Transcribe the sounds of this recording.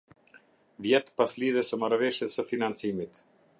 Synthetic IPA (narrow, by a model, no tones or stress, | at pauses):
vjɛt̪pasliðɛsəmaɾvɛʃjɛsəfinant͡simit̪